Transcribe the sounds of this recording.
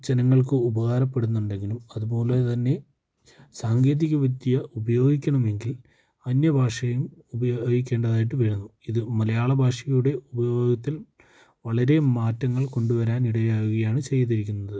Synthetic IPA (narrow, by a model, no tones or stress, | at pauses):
d͡ʑenɐŋːɐɭkɨubɐɣaːɾɐpːe̞ɽunːuɳɖe̞ŋɡilumɐðuboːlɐt̪ɐnːe̞ | saːŋɡe̞ːðiɣʲɐʋid̪ijɐubɐjo̞ːɡikʲːɐɳɐme̞ŋɡil | ɐnjɐbʱaːʂɐjumubɐjoːɡik̬ʲːe̞ːɳɖɐðaːjiʈ̬ːɨʋeɻunːuiðɨmɐlɐjaːɭɐbʱaːʂɐjuɽe̞ubɐjo̞ːɡɐt̪ːil | ʋɐɭɐɾe̞maːtːɐŋːɐɭko̞ɳɖuʋɐɾaːniɽɐjaːjuɣɐjaːɳɨt͡ɕejːɐt̪ːiɾik̬ʲːunːɐðɨ